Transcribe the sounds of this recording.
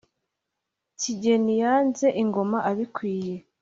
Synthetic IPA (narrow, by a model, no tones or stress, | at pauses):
ciɟe̞nijaːnze̞ʔiŋɡo̞maʔaβikwiːje̞